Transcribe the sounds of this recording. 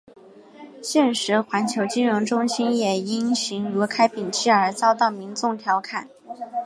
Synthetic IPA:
ɕjɛ˥˩nʂɻ̩˧˥xwa˧˥nt͡ɕʰjo˧˥ʊt͡ɕi˥nɻʊ˧˥ŋʈ͡ʂʊ˥ŋɕi˥njɛ˨˩i˥nɕi˧˥ŋɻu˧˥kʰa˥ɪpi˨˩ŋt͡ɕʰi˥˩ə˞˧˥t͡sɑ˥ʊt̪ɑ˥˩ʊmi˧˥ŋt͡sʊ˥˧˩ŋt̪ʰjɑ˧˥ʊkʰa˨˩˦n

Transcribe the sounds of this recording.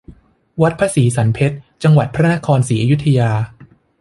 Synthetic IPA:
wa˦˥t̪̚pʰaː˧siː˩˦sa˩˦npʰe˦˥t̪̚t͡ɕa˧ŋwa˨˩t̪̚pʰɾa˦˥na˦˥kʰɔː˧nsiː˩˦ʔa˧ju˦˥t̪ʰːa˧jaː˧

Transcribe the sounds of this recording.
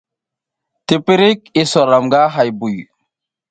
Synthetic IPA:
te˨pi˦ɾi˦ki˦so˨ɾa˨mɡa˦ɦa˨jbu˨j

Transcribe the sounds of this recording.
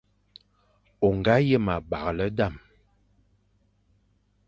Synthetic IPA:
o˨ŋɡa˦jə˦˨ma˨ba˨ɣlə˦da˦˨m

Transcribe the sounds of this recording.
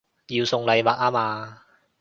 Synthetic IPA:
jiː˧wsʊ˨˧ŋlɐ˨˧jwaː˨˥k̚aː˥maː˧

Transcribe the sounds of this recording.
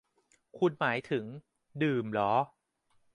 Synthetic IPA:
kʰu˧nmaː˩˦jt̪ʰɯ˩˦ŋ | dɯː˨˩mlɔː˦˥

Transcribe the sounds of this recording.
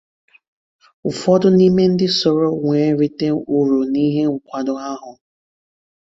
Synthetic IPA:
ʊ˨fɔ˦dʊ˦ni˦me˦n̩˦dɪ˦so˨ɾo˦ŋʷe˨˦ɾi˦te˦u˨ɾu˨ni˦ɦe˦ŋ̩˨kʷa˨dʊ˦a˦ɦʊ˨

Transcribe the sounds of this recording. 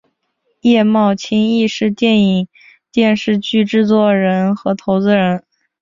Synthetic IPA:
jɛ˥˧mɑ˥˩ʊt͡ɕʰi˥ŋi˥˧ʂɻ̩˥˧t̪jɛ˥˩ni˨˩ŋ | t̪jɛ˥˧nʂɻ̩˥˧t͡ɕy˥˧ʈ͡ʂɻ̩˥˧t͡swɔ˥˩ɻə˧˥nxɤ˧˥t̪ʰo˧˥ʊt͡sɹ̩˧ɻə˧˥n

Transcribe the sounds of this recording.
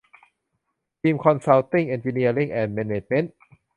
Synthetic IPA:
t̪ʰiː˧mkʰɔ˧nsa˧˥wt̪i˥˩ŋʔe˧nt͡ɕi˧ni˧ɐli˥˩ŋʔɛː˧˩nmɛː˧ne˨˩t͡ɕ̚me˧˦˥n

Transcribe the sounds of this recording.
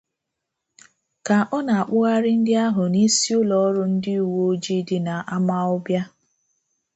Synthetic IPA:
ka˨ʔɔ˦na˨a˨k͡pʊ˦ɣa˦ɾɪ˦n̩˦dɪ˦a˦ɦʊ˨ni˦si˦ʊ˦lɔ˨˦ɾʊ˦n̩˦dɪ˦u˨wo˦d͡ʒi˦dɪ˦na˨ʔa˦ma˦ɔ˦bja˦

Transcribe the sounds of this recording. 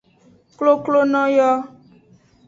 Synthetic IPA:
klo˦klo˦nɔ̃˦jɔ˦

